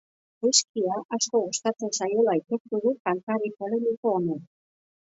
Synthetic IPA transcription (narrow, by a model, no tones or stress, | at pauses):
ɾuskiaʔasko̞ɣost̪at͡sesajo̞lajt̪ek̚t̪uɣukalt̪aɾikolemiko̞ːne